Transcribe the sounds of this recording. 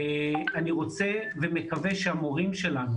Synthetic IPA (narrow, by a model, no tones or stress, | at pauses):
aniʁo̞t͡se̞vemekave̞ʃeamo̞ʁimʃelanu